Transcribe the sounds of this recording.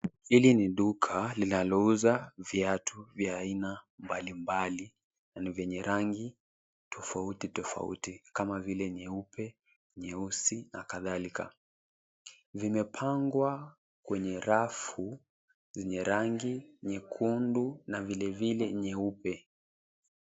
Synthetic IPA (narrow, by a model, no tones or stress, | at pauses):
hiliniɗukʰalinalɔuzaviatʰuvjaːinambalimbali | nanivjɛɲɛɾaŋɡi | tʰɔfautitɔfa̰ṵtikamavilɛɲɛupʰɛ | ɲɛusina̰kaðalika̰ | vimɛpʰaŋɡwa | kwɛɲɛɾafu | zɛɲɛɾaŋɡiɲɛkʰundunavilɛvilɛɲɛupɛ